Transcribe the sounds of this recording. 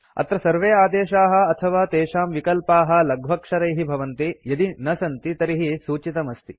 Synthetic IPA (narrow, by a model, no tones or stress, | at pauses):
ɐ̰t̪ɾɐsɐɾʋeːaːd̪eːʃaːɦɐ̆ɐt̪ʰɐʋaːt̪eːʃaːmʋikɐlpaːɦɐ̆lɐɡʱʋɐkʂɐɾɐjɦibʱɐʋɐnt̪ijɐd̪inɐsɐnt̪it̪ɐɾiɦisuːt͡ʃit̪ɐmɐst̪i